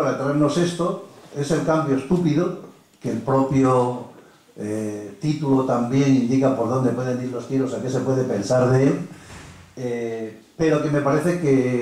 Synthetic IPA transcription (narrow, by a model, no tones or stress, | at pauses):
aɾat̪ɾaeɾno̞se̞st̪o̞e̞se̞lkambjost̪upiðo | kelpɾo̞pjo | et̪it̪ulot̪ambje̞ŋind̪ikapo̞ɾð̞ond̪e̞pwe̞ð̞e̞niɾlo̞st̪iɾo̞sake̞se̞pwe̞ð̞e̞pe̞nsaɾðeel | e | pe̞ɾo̞ke̞me̞paɾe̞θe̞ke